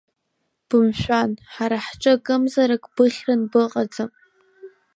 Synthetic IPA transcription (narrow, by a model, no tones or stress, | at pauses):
b̥ɨmʃᶣʷanħaɾaħʈ͡ʂʼɨkʼɨmzaɾakʼb̥ɨχʲrɨnbɨqʼad͡zam